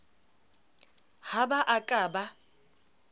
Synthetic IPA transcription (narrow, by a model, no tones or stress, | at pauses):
habaʔakʼaːba